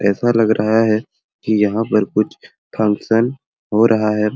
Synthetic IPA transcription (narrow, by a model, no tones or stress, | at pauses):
ɛːsalɐɡɾʔɐɦaɦɛ | kijɐɦãpɐɾkʊt͡ʃʰ | pʰɐ̃ŋksən | ɦoɾʔɐɦaɦɛː